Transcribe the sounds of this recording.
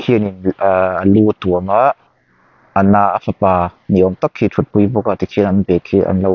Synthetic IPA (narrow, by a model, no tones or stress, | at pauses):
kʰiəninːəlut̪uəmaʔ | ənaːʔafʰapaːniʔɔŋt̪akʰːit̪ʰut̪̚pujbɔkat̪ikʰinanbɛkʰːiʔa̰nlow